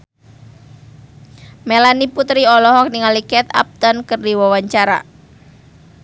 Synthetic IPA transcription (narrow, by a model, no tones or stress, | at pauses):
melaniput̪ɾiɔlɔɦɔk̚niŋalikɛt̪a̰p̚t̪ənkərdiwawaɲt͡ʃaɾa̰